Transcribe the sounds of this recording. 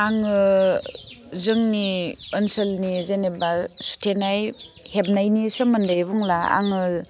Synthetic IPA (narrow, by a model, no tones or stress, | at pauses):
aŋɯ | zɯŋniɯnsɯlnizenebasu̥tʰenaj | heb̚najnisɔmɯndajbuŋlaa̰ŋɯ